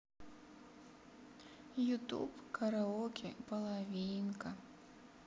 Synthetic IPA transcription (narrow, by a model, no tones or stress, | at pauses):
jut̪ṵpkɐɾɐɔkʲʰipɐlˠavʲinkɐ